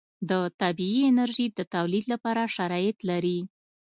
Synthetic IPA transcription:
d̪ət̪abiiɪnaɾʒid̪ət̪awlid̪lapɑɾaʃaɾɑjɪt̪laɾi

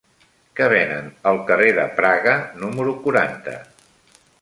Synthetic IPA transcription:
kəβ̞ɛnənəlˠkəreðə̰pɾaɣənuməɾukuɾant̪ə̰

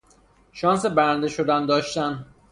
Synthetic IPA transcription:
ʃɒːnsebæɾænd̪eʃod̪ænd̪ɒːʃt̪æn

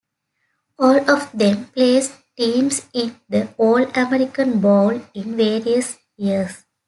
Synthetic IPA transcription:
ɔːlɔʋd̪ɛ̃mpleːsʈĩːmsɪ̃nd̪əoːlɖɐmɛɾɪkə̃nbɔːlɪ̃nʋeːɾiəs | jiəɾs

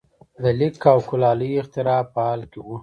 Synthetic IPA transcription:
d̪əlɪkːawkʊlɑləjɪxt̪ɪɾɑpəɑlkewu

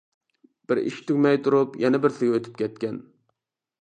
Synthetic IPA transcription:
b̥ɪɾḭʃt̪ʰykʲmɛjt̪ʰuɾupjɛnɛbɪɾsɪɡʲɛøt̪ʰy̥p̚kʲɛt̪̚kʲɛn

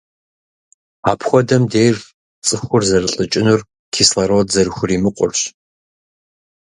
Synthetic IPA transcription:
aːpʰxʷɔdɐmdejr | t͡sʼɨxʷʊrzɐrɨɬʼɨt͡ʃʼɪnur | kʰiːslɐɾotzɐrɨxʷʊriːmɨqʷʼʊ̰rɕ

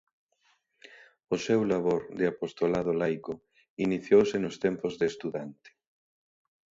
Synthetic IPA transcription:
ʊsɛwlaβoɾd̪eapost̪olaðʊlajkʊ | iniθjowsɪnʊst̪ɛmpozðest̪uðant̪ɪ̥

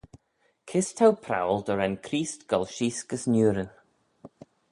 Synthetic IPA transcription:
kʰɪst̪ʰawpʰɾa̰wlˠd̪əɾɛnkʰɾiːstɡ̥ɔlʃiːskəsnjuːɾə

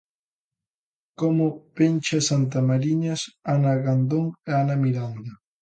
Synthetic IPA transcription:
komʊpenʲt͡ʃasant̪amaɾiɲasanaɣand̪oŋeanamiɾand̪ɐ

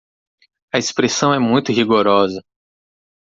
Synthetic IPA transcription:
ɐespɾesɐ̃w̃ɛmũj̃t̪ʊɦiɡoɾɔzɐ

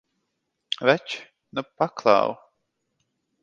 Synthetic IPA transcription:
vɛt͡ʃ | nəpːakʰla̰w

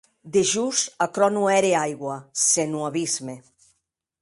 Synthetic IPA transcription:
d̪eʒusakɾɔnuɛɾeajɣwasenuaβizme

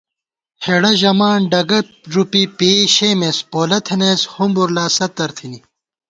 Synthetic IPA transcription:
heɽɐʑɐmaːnɖɐɡɐ | ʐupipiɕeːmespoːlɐt̪ʰeneshumbuɾlaːsɐt̪ːɐɾt̪ʰini

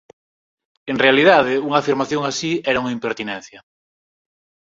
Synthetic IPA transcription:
eŋrealiðað̞ɪuŋaːfiɾmaθjoŋasiɛɾauŋɐimpeɾt̪inɛ̃n̟θjɐ

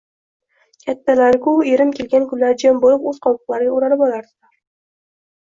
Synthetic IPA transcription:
kʲʰat̪ːalaɾɡʲʊeɾɪmkʲʰelɡʲankʰʲʊlːaɾd͡ʒambolɪpɵzqʰɒwɨqlˠaɾɡʲaoɾalɪpɒlaɾd̪ɪlaɾ

